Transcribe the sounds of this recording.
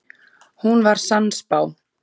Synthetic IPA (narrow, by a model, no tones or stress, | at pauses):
hunvaɾ̥sanspaːw